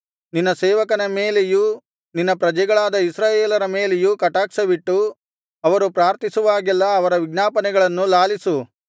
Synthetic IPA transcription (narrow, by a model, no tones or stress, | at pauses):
ninːɐseːʋɐkɐnɐmeːleju | ninːɐpɾɐd͡ʒɛɡɐɭaːd̪ɐisɾaːjeːlɐɾɐmeːlejukɐʈaːksɐʋiʈːu | ɐʋɐɾupɾaːɾt̪isuʋaːɡɛlːɐːʋɐɾɐʋiɡnaːpɐnɛɡɐɭɐnːulaːlisu